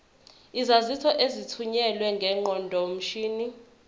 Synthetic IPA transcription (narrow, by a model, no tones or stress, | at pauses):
izazitʰɔʔezitʰuɲɛlwɛŋɡʱɛŋ͡ǃɔndʱɔm̩ʃiːni